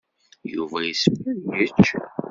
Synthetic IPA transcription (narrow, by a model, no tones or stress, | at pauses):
jṵvæjəsməɾjət͡ʃː